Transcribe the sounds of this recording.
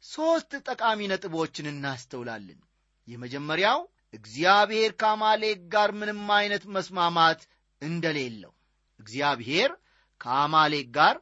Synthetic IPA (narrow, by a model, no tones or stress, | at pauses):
so̞st̪t̪ʼəkʼaminət̪ʼɨβo̞t͡ʃːɪnɨnːast̪ʰəwla̰lːɨ̰n | jɛməd͡ʒɛmːəɾjaw | ʔɨɡzjaβhe̞ɾkʰəamale̞k̚ɡaɾmɨnɨmːajnət̪məsmamat̪ | ɨnd̪əle̞lːə̰h | ʔɨɡzijaβhe̞ɾ | kʰəamale̞ɡaɾ